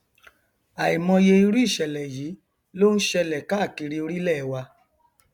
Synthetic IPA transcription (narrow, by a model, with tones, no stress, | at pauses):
a˨i˨mɔ̃˧je˧i˧ɾu˦i˦˨ʃɛ˨lɛ˨ji˨˦ | lo˦n̩˦ʃɛ˧lɛ˨ka˦˨ki˧ɾi˧o˧ɾi˦lɛ˦˨˦wa˧